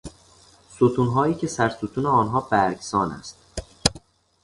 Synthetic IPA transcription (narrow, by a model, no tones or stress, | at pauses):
sot̪ʰuːnɦɒːjiːcʰe̞sæɾsot̪ʰuːneɒːnɦɒːbæɾɡsɒːnæ̰st̪̚